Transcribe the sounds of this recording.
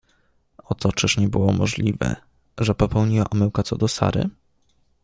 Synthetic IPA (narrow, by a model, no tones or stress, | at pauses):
ɔt̪ɔt͡ʂɘʂɲɛbɘwɔmɔʐlʲivɛ̰ | ʐɛpɔpɛwɲiwa̰ʔɔmɛwkat̪sɔd̪ɔsa̰ɾɘ̰